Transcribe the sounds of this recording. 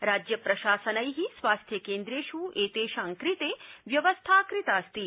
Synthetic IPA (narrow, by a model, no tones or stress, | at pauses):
ɾaːd͡ʒjɐpɾɐʃaːsɐnɐjɦisʋaːst̪ʰjɐkeːnd̪ɾeːʃuːʔeːt̪eːʃaːŋkɾit̪eːʋjɐʋɐst̪ʰaːkɾit̪aːst̪i